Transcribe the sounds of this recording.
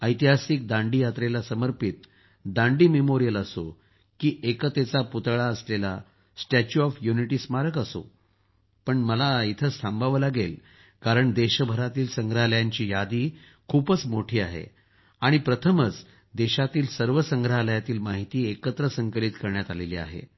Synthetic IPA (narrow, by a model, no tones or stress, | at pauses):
əjt̪iɦasik̚d̪ãɳɖijat̪ɾelasəməɾpit̪ | d̪ãɳɖiːmemoɾijələso̰ | kiːʔekət̪et͡saput̪ɭaəslela | sʈet͡ɕuɔfjuniʈiːsmaɾəkəso̰ | pəɳməlait̪ʰəst̪ʰambʱaʋəlaɡel | kaɾəɳd̪eɕəbʱəɾat̪iːlsə̃ŋɡɾəɦaləjaɲt͡ɕiːjad̪iː | kʰuːpət͡smoʈʰiːaɦḛ | aɽ̃ipɾət̪ʰəmət͡s | d̪eɕat̪iːlsəɾʋəsəŋɡɾɦaləjat̪iːlmaɦit̪iːekət̪ɾəsəŋkəlit̪kəɾɳjat̪alelḭːa̰ɦḛ